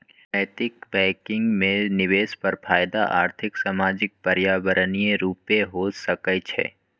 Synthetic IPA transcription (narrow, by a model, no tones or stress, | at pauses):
əjt̪ɪkbɛ̃ːkɪ̃ŋɡmẽnɪʋeːspɐɾpʰaːjd̪aʔa̰ːɾt̪ʰɪksaːmaːd͡ʒɪk̚pəɾjaːbəɾənijeɾuːpeɦosəkət͡ʃʰɛ̰ː